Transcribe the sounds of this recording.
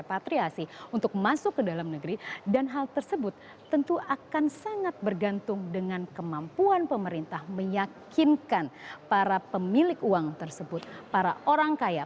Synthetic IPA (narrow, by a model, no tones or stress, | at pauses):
pat̪ɾiasiunt̪ʊk̚masʊkːədalamnəɡɾidanɦalt̪ərsəbʊt̪ː | ənt̪uʔakansaŋat̪̚bərɡant̪ʊŋdəŋankəmampuanpəməɾint̪ahməjakɪnkanpaɾapəmilɪkuaŋt̪ərsəbʊt̪̚paɾaʔoɾaŋkaja